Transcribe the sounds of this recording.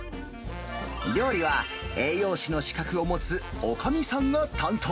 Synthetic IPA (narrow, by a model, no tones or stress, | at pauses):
ɾʲo̞ːɾʲiβa | e̞ːjo̞ːɕino̞ɕi̥kakɯ̟o̞mo̞t͡sɨokamʲisãnːot̪ãnt̪ʰoː